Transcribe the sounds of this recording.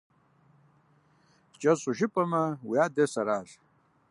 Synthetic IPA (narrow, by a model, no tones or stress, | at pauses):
t͡ɕɐsuʐipɐmɐwujaːd̪esɐɾaːɬ